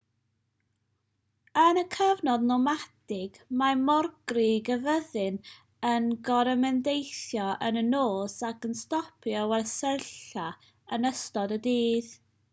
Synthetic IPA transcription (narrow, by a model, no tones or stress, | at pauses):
ənəkʰəvnɔdnɔmatɪɡ̥mamɔrɡ̥rɪɡəvəðɨn | ənɡɔɾəmɛndejθjɔʔənənoːsakənstɔpʰjɔwɛlsəɬa | ənəstɔdədiːð